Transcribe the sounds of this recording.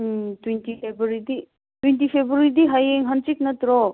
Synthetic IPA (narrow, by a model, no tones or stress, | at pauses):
t̪wintifebɾid̪i | t̪wentifʰebɾuɾid̪iɦɐjeŋɦɐnt͡ʃiknɐt̪ɾo